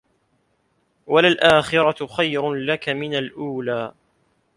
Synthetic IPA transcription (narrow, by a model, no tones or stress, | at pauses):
walalʔaːxɪɾɑxajɾʊlakamɪnalʔuːlaː